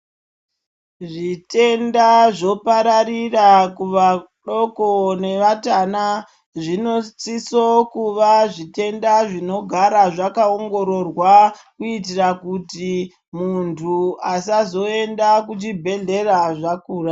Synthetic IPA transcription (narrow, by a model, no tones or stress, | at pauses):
ʐite̞ndaʐo̞paɾaɾirakuʋa | ɗo̞kone̞ʋatana | ʐinot͡sisokuʋaʐite̞ndaʐino̞ɡʱaɾaʐakaoŋɡo̞ɾo̞rwakuitirakuti | muntʰuasazo̞e̞ndakut͡ʃibʱe̞ɮe̞raʐakuːra